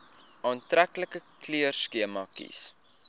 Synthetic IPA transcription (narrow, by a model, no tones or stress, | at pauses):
ɑːntrækləkəkliərskiəmɐkḭs